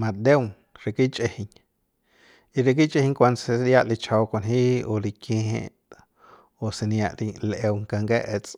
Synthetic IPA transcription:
mã˧d̪e˦wŋ | ɾe˨ki˦t͡ʃʼe˧hi˧ɲ | i˧ɾe˧k̬i˦t͡ʃʼʔe˦hi˦ŋkʷa˧nd̪se˧ja˦ʔli˧t͡ʃʰa˧wkʷo˧˨nɦi˦o˧li˧kẽ˧hḛ̃˦ | o˨se˧nja˧ʔli˧lʔe˧wŋka˧ŋke˦ʔe˧t͡sʼ

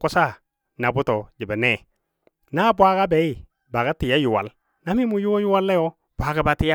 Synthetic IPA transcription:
kʊ˦sa˦˨ | na˨bʊ˦to˨d͡ʒi˨ba˨nɛ˦˨ | na˦bwa˦ka˦be˨˦i˦˨ | ba˨ka˦tɪ˨ja˦ju˨wa̰˨l | na˦mi˦mu˨ju˦wo˦ju˦wa˦lːe˦jɔ˦ | b̥ʷa˨ka˦ba˨tɪ˦ja˦

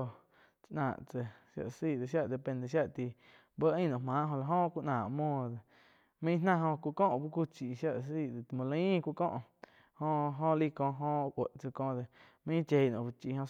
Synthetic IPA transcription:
t͡ʃʔnã̰ː˨ʔt͡sə˧ʃja̰˧ʔsiː˦˨d̪e˨ʃja˦ʔd̪e˧˨pẽ˧nd̪e˧˨ʃ̬ja˦ʔt̪i˧ | bə˦ʔĩ˦˧nõ˨mãː˨˦ʔɦõ˧la˧ɦõ˦˧kʷu˦˧ʔnãː˨ʔmwɔ̃ː˧˨d̪e˨ | mĩ˦nã˧ɦõ˧kʷu˧ʔkɔ̃˦ʔbu˦kʷu˦t͡ʃi˨ʃja˦ʔsiː˦˧˨d̪e˨t̪mõ˧lə˧˦ĩ˦˧kʷu˧kɔ̰̃ː˦ʔ | hõ˧ʔɦõ˦˧li˦kɔ̃˧ɦõ˦ʔʔʷə˨ʔt͡sə˧kõː˧d̪e˧˨ | mĩ˦t͡ʃe˧˨nõ˨bu˧t͡ʃi˧˨hõ˧

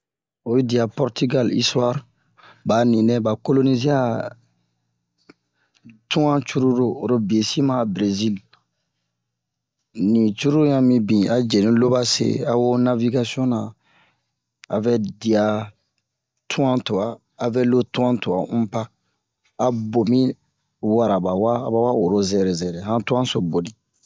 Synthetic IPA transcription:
o˨ju˦di˨a˨pɔ˦ɾti˦ɡa˦li˦swa˦ɾ | ba˨nĩ˨nɛ̃˦ba˨ko˦lo˦ni˦ze˦a˨ | tũ˦ã˦t͡ʃu˦ɾu˦ɾoː˦˨ɾo˦bi˨e˨si˦mã˦˨bɾe˨zi˦l | nĩ˨t͡ʃu˦ɾu˦ɾjã˦mĩ˦bĩ˨a˨˦d͡ʒɛ˨nĩ˦lo˦ba˦sḛ˨a˨wo˦na˦vi˦ɡa˦si˦ɔ̃˦nã˨ | a̰˨vɛ˦di˨a˨ | tʰũ˦ã˦to˨aː˨ | vɛ˦lo˦tũ˦ã˦to˨a̰˨ũ˦paː˦˨ | bo˨mĩ˦ | wa˨ɾa˨ba˨waː˦˨ba˨wa˦o˨ɾo˦zɛ˨ɾɛ˨zɛ˨ɾɛ˨ɦã˦tũ˦ã˦so˨bo˨nĩ˨

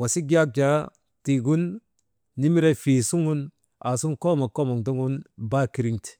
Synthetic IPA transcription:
wa˨si˦ɡi˦a˦k̚d͡ʒa˦ | ti˨ɡu˦nː | i˦mi˦ɾe˦fi˨su˦ŋu˦n | a˨su˦nko˦ma˨ko˦ma˨ŋdu˦ŋɡu˦nba˦ki˨ɾi˦ŋti̥˨

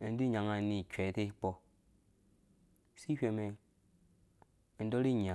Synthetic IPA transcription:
e˨n˦di˦ɲa˨ŋa˦˨ni˨ke˨˦te˦k͡pɔ˦˨ | si˦hʲe˨me˨ | i˨˦do˦ɾi˦ɲa˨

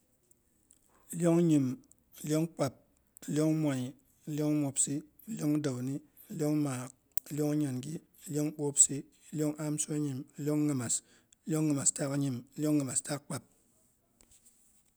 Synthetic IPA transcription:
lo˦ŋ˦ɲi˨m˨ | lo˦ŋk͡pa˨p̚ | ljo˦ŋmʷa˨ɲ˨ | lo˦ŋ˦mo˨psi˦˨ | ljo˦ŋ˦da˨wni˦˨ | ljo˦ŋmaː˨k | lo˦ŋ˦ɲa˨nɡi˦˨ | ljo˦ŋ˦ɓo˦psi˦ | ljo˦ŋʔa˦msɲi˨m˨ljo˦ŋːɨ˨ma˨s | lo˦ŋːɨ˨ma˨sta˦ka˦ɲi˨m˨˦lʲjo˦ŋːɨ˨ma˨sta˦k̚k͡pa˨p̚

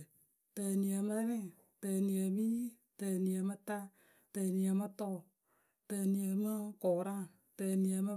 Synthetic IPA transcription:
tə˧ni˨˧ə˧˨mə˦ɾɛ̃˦˨ | tə˨˧ni˨˧ə˧˨mi˦ | tə˨ni˨˧ə˨mə˧ta˦ | tə˨ni˧ə˧mə˦tɔ˦˨ | tə˧ni˨˧ə˨mə˦kɔ˨ɾã˦ | tə˨˧ni˨˧ə˧mə˧

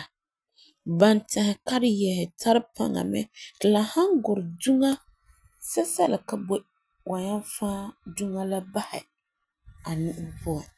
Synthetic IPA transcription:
ba˨ntɛ˨hɪ˨ka˦ɾɪ˦jɛ˨hɛ˨tʰa˦ɾɪ˦pa̰˦ŋa̰˨mɛ̰˦dla˨ha˦ŋɡʊ˨ɾɪ˨du˦ŋa˦ | sɛ˦sɛ˦lɪ˨ka˨bo˦ | wa˨ɲa˦n˦faː˦du˦ŋa˦la˦ba˦hɪ̰˨ | a˨nĩ˦pʊ˦ɛ˨

